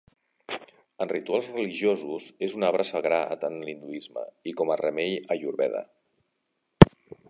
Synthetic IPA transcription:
ənrit̪ualˠzrəliʒjozuzezunaβɾʔəsəɣɾaə̰t̪anlind̪uizmə̰ikɔmərəmeʎəʒuɾβɛðə̰

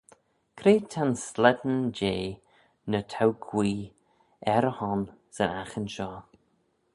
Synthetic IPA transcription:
kʰɾeːtʰanslɛd̪n̩d͡ʒeː | nətʰawɡʰwiː | ɛɾəhɔnsənaxənʃɔː

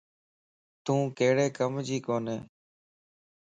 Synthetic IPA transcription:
t̪ũːkeːɽeːkəmd͡ʒiːkoːneː

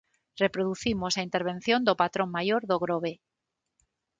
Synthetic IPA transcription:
repɾoðuθimosaint̪eɾβ̞en̟θjond̪opat̪ɾoŋmajoɾðoɣ̞ɾoβ̞e

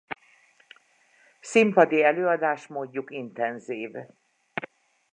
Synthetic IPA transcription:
simpɒd̪iɛløːɒd̪aːʃt̪moːɟːukint̪ɛnziːv

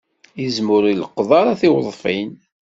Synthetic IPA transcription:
jizmʊɾiləqːðˤɑɾˤɑθiwðˤfin

